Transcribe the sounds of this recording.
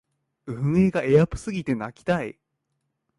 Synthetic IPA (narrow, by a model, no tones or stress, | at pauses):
ɯ̟ɯ̟̃ɰ̃e̞ɡae̞japɯ̟̥sɨɡʲit̪e̞nakʲi̥t̪ai